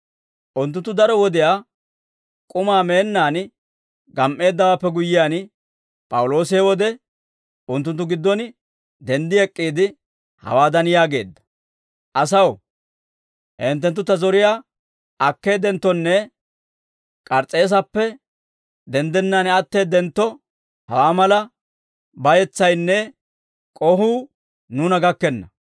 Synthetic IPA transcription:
ʔʊnt̪̬ːʊnt̪ːʊd̪ɐɾɔwɔd̪ɪjaː | kʼʊmaːme̞ːnːaːn | ɡɐmʔe̞ːd̪ːɐwaːpːɛɡʊjːɪjaːn | pʼɐwʊlo̞ːsɪɛwɔd̪ɛ | ʊnt̪ːʊnt̪ːʊɡɪd̪ːɔn | d̪ɛnd̪ɪɛkʼːiːd̪ɪ | hɐ̰waːd̪ɐnjaːɡe̞ːd̪ːɐ̥ | ʔɐsɐw | hɛnt̪̬ːɛnt̪ːʊt̪ːɐzɔɾɪjaː | ʔɐkːe̞ːd̪ɛnt̪ːɔnːɛ | kʼɐɾt͡sʼːeːs̬ɐpːɛ | d̪ɛnd̪ɛnːanɛɐt̪ːeːd̪ɛnt̪ːɔ | hɐwaːmɐlɐ | bɐjɛt͡sːɐjnːɛ | kʼɔɦuː | nuːnɐɡɐkːɛnːɐ

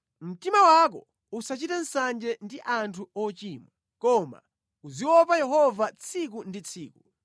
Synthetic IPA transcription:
m̩timawak̬ɔ | usat͡ʃitan̩sand͡ʒɛndiʔantʰuɔt͡ʃiːmɔ | kɔma̰ | uziwɔpajɛɦɔvat͡sʰik̬undit͡sʰiːku

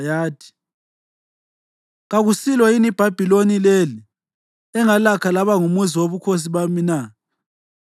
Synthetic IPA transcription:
jaːtʰi̥ | ɣaɣusilwɔinib̥ʱab̥ʱilonileli | ɛŋalakʰalaβaŋumuziwoβukʰos̬iβamina

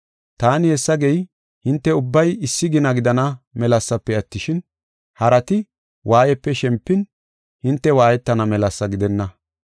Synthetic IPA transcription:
t̪aːnɪhɛsːɐɡɛj | hɪnt̪ːɛʊbːɐjɪsːɪɡɪnɐɡɪd̪ɐnɐmɛlɐsːɐpːɛɐt̪ːɪʃɪn | hɐɾɐt̪ɪ | wʔaːjɛpːɛʃɛmpːɪn | hɪnt̪ːɛwaːjɛt̪ːɐnɐmɛlɐsːɐɡɪd̪ɛnːɐ

